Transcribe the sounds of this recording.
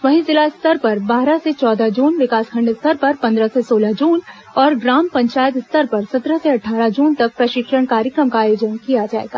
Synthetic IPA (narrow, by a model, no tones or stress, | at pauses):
ʋɐɦizɪlaɪst̪ɐɾpɐɾbaːɾaset͡ʃɔːd̪ad͡ʒuːnʋɪkaːskʰɐ̃ɳɖst̪ɐɾpɐɾpɐ̃nd̪ɾasesoːlad͡ʒuːn | ɔːɾɡɾaːmpɐ̃ɲt͡ʃaːjət̪ɪst̪əɾpɐɾsɐt̪ɾəseɐʈʰːaːɾad͡ʒuːnt̪ɐk̚pɾɐʃɪkʃəɽkaːɾjəkɾəmkaaːjoːd͡ʒənkijad͡ʒaːḛːɡa̰ː